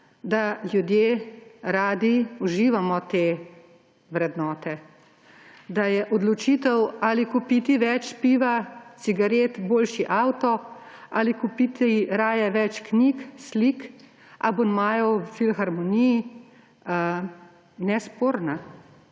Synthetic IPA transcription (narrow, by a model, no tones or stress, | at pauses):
d̪alʲjud̪jeːɾaːd̪iuʒiːʋamɔt̪eː | ʋɾɛd̪nɔːt̪ɛ | d̪ajɛʔɔd̪lɔt͡ʃit̪ɛwalikupit̪iʋɛt͡ʃpiʋat͡s̪iɡaɾeːt̪boːlʃiʔawt̪ɔalikupit̪iɾaːjɛʋɛt͡ʃknikslik | ʔa̰bonmaːjɔfilxaɾmɔniji | ə | nɛspoːɾna